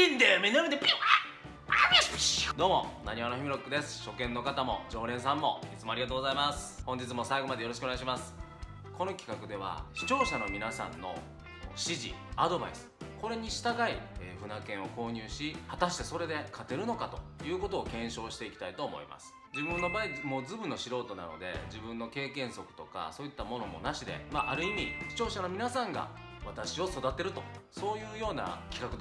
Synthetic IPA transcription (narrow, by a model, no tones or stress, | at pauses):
ĩnd̪emenɾmẽind̪epia | aespd̪o̞ːmo̞̰naɲ̟ianoçimiɾo̞kːɯ̟d̪e̞sɨ̥ɕo̞kẽ̞nːo̞kat̪amo̞̰d͡ʑo̞ːɾẽ̞ɰ̃sãmːo̞it͡sɨmo̞aɾʲiɡat̪oːɡo̞zaimasɨ̥hõ̞ɲ̟d͡ʑit͡sɨmo̞saiɡo̞mad̪ejo̞ɾo̞ɕi̥koneɡaɕimasɨ̥ | ko̞no̞kʲi̥kakɯ̟d̪e̞β̞a̰ɕi̥t͡ɕo̞ːɕano̞mʲinasã̰nːo̞̰ | ɕiʑḭad̪o̞ba̰isɨ̥ko̞ɾe̞ɲ̟iɕi̥t̪aɡaiɸɯ̟nakẽ̞ɰ̃o̞ko̞ːɲ̟ɨːɕihat̪aɕi̥t̪e̞so̞ɾe̞d̪e̞kʰat̪e̞ɾɯ̟no̞kat̪o̞̥jɯ̟ːko̞t̪o̞ːkẽ̞ɰ̃ɕo̞ːɕi̥t̪e̞ikʲi̥t̪ait̪o̞ːmo̞̰ḭmʔa̰sɨ̥ | d͡ʑibɯ̃nːo̞baːimo̞ːzɨbɯ̟nːo̞ɕiɾo̞ːt̪o̞na̰no̞̰d̪e̞̰d͡ʑibɯ̃nːo̞ke̞ːkẽ̞ɰ̃so̞kɯ̥t̪o̞ka̰so̞ːit̪ːamo̞no̞mo̞̰naɕid̪e̞̰maʔaɾɯ̟imʲiɕi̥t͡ɕo̞ːɕano̞mʲinasãŋɡa̰ | βat̪aɕio̞so̞d̪at̪e̞ɾɯ̟t̪o̞so̞ːjɯ̟ːjo̞ːna̰kʲi̥kakɯ̟d̪